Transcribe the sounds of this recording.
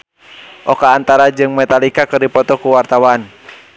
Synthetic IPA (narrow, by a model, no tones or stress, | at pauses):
ʔɔkaːnt̪aɾad͡ʒɨŋmɛt̪alikakərdipɔt̪ɔkuwart̪awan